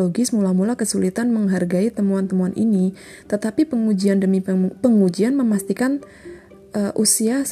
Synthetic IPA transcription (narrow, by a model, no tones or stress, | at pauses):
oɡɪsmulamulakəsulit̪anməŋɦarɡait̪əmuant̪əmuanʔḭni | t̪ət̪apipəŋud͡ʒiandəmipəŋud͡ʒianməmast̪ikan | ʔəʔusias